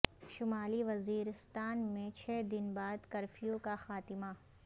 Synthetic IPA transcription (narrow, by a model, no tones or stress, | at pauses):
ʃʊmaːliʋɐziːɾɪst̪aːnmẽt͡ʃʰɛːd̪ɪnbaːd̪kɐɾfijõkaxaːt̪ɪma